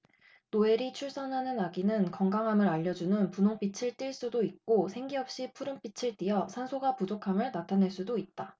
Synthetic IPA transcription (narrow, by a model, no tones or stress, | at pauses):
noe̞ɾit͡ɕʰuɭs͈ʌnɦanɯnaɡinɯnkʌŋɡaŋɦamɯɾaʎːʌd͡ʑunɯnpunoŋp͈it͡ɕʰiɭt͈iɭs͈udoik̚k͈osʰe̞ŋɡiɦʌp̚ɕ͈ipʰuɾɯmp͈it͡ɕʰiɭt͈ijʌsʰansʰoɡapud͡ʑokʰamɯɭnatʰanɦe̞ɭs͈udoit̚t͈a